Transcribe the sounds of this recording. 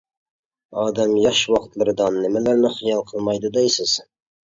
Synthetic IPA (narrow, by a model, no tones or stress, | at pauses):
ɑːd̪æmjɑʃwɑqt̪lˠɨɾɨd̪ɑnːɪmælæɾnɪχijɑlˠqʰəlˠmɑjd̪ɨd̪ɛjsɪz̥